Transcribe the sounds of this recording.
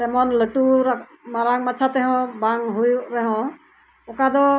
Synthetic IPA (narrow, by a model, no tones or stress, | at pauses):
tɛmɔnləʈuɾa | maɾaŋmat͡ʃʰat̪ɛɦɔ̃baŋɦujʔɾɛɦɔ̃ | ɔkad̪ɔ